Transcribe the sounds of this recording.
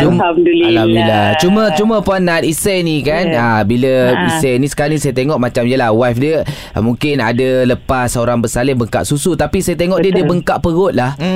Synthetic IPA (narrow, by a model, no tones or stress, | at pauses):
t͡ʃumamdulaambilat͡ʃumət͡ʃumə̃puanːat̪̚isanikanabiləisanĩsə̥kaɾanisajət̪eŋɔʔ̚mat͡ʃamijəlahwafdiə | mũŋkɪna̰daləpasəoɾaŋbəsalɪhbəŋka̰ʔsusut̪apisajət̪eŋɔʔdiədiəbəŋkaʔpəɣʊt̪̚lah